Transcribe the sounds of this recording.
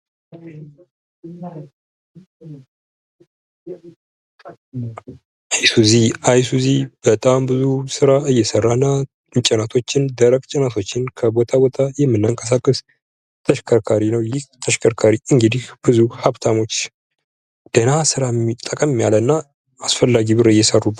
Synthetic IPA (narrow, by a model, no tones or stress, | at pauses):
ajsuziajsuzib̥ət̪ʼambɨzusɨɾaɨjːɛsərːaɨnːa | t͡ʃʼənat̪ʰo̞t͡ʃːɪnd̪əɾəkʼt͡ʃʼɛnat̪ʰo̞t͡ʃːɪnkʰəbo̞t̪ʰabo̞t̪ʰajɛmːɨnːaŋkʼəs̬akʼːəs | t̪ʰəʃkʰəɾkʰaɾinəwjɪht̪ʰəʃkʰəɾkʰaɾiɨŋɡɨd̪ihb̥ɨzuhaβt̪ʰamo̞t͡ʃː | d̪̥ənasɨɾat̪ʼəkʼəmɨmːjalənːa | asfəlːaɡibɨɾɨjːɛsərːub